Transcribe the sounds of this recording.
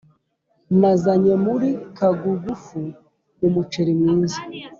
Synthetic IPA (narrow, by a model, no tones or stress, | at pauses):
mazaɲemuɾikaɡuɡufu | umut͡ʃeɾimiːnzi